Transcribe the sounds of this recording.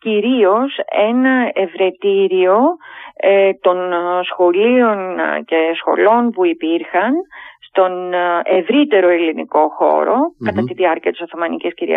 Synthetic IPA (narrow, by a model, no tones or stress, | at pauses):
ciɾio̞se̞nɐevɾe̞t̪iɾio̞ | t̪o̞nsxo̞lio̞nce̞sxo̞̰lo̞npuipiɾxɐnst̪o̞ne̞vɾit̪e̞ɾo̞elinḭko̞xo̞̰ɾo̞kɐt̪ɐt̪iðiɐɾciɐt̪i̥soθomɐnicesciɾḭɐ̰